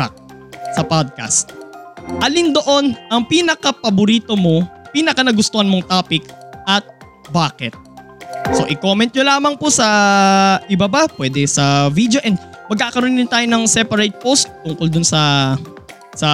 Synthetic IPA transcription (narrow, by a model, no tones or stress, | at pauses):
a̰k̚ | sɐpod̪̚ka̰st̪̚ʔɐlind̪o̞ʔo̞nʔɐŋpinɐkapɐbʊɾiːt̪o̞mo̞piːnɐkɐnɐɡʊst̪ohɐnmoŋt̪aːpɪkʔɐt̪̚ | baːkɛt̪̚ | so̞̰ʔɪkoːmɛnt̪̚ɲolaːmɐŋposɐ | ʔɪbabapwɛːd̪ɛsɐvid̪jo̞ʔɛnd̪̚mɐɡ̚kːaːkɐɾonːɪnt̪aːjonɐŋsɛpɐɾajt̪̚post̪̚t̪ːʊŋkold̪ʊnsɐ | sɐ